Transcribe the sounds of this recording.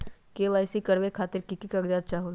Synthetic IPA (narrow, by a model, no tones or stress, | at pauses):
keːʋaːɪsikɐɽʋekʰaːt̪ɪɾkɪkikaɡd͡ʒaːd̪̚t͡ʃaːɦul